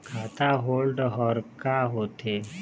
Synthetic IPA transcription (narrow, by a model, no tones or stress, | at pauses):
kʰaːt̪aɦoːlɖɦɔːɾkaɦoːt̪eː